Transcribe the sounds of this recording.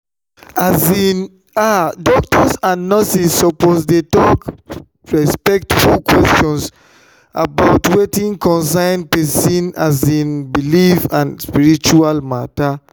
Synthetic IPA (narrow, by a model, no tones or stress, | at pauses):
azĩn | adɔk̚tʰɔsãnːɔsisːɔposdetɔk | ɹɛspɛk̚tfulkwɛstɔ̃ns | a̰baʊtwetĩŋkɔ̃nsãɪ̃npɛsĩnazĩnbilifãnspiɹit͡ʃualmata